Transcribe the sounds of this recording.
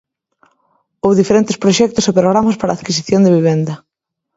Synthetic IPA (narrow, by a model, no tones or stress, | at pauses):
owðifeɾent̪ɪspɾoʃɛk̚t̪ʊsepɾoɣɾamaspaɾa̰ːðkis̬iθjond̪eβiβ̞end̪ɐ